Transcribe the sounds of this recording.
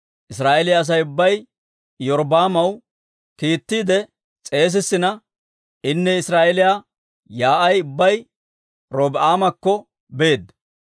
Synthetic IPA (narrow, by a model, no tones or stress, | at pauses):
ʔɪsɾaːʔelɪjaːs̬ɐjʊbːɐj | jɔɾbaːmɐw | kiːt̪ːiːd̪ɛ | t͡sʼe̞ːs̬ɪsːɪnɐ | ɪnːɛɪsɾaːʔɛlɪjaː | jaːʔɐjʊbːɐj | ɾoːbʔaːmɐkːɔ | be̞ːd̪